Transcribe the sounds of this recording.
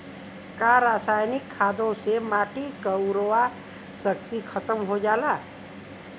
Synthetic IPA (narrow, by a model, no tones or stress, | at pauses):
kaːɾaːsaːjnɪkʰːaːd̪õsemaːʈikəʊɾoʋa | səkt̪ikʰət̪əmɦod͡ʒaːlaː